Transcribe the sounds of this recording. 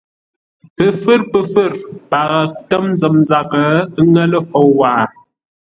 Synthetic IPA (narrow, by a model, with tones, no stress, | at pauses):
pə˨fɨ˦ɾpə˨fɨ˦˨ɾpa˨ɣə˨tə˦mn˦zə˨mza˨kə˨˦ŋə˦lə˦fo˨wwaː˨